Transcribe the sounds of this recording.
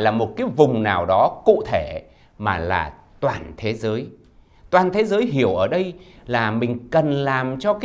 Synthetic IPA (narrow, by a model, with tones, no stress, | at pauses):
jlaː˨˩mo˨˩t̚kaː˨˦jvʊ˨˩ŋ͡mnaː˨˩wɗɔ˨˦kṵ˧˨t̪ʰe˧˩ | maː˨˩la̰ː˨˩ | t̪waː˨˩nt̪ʰe˨˦zəː˨˦j | t̪waː˨˩nt̪ʰe˨˦zəː˨˦jɦi˧˩əwʔəː˧˩ɗə˧jlaː˨˩mï˨˩ŋ̟kə˨˩nlaː˨˩mt͡ɕɔ˧kː